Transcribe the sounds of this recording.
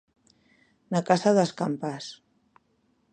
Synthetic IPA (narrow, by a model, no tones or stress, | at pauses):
nakasaðəskampas